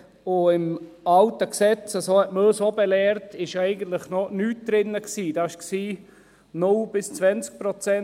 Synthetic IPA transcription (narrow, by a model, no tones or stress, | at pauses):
ʊɪmɑltəksɛt͡səsoːhɛtməøsobelɛːɾtɪʃɛɪɡən̩t̪lɪχnonyːt̚d̥̪ɾɪnːəksiːd̥ɑːɪʃksiː | nʊlb̥ɪst͡svɛnt͡sk̚pɾot͡sɛ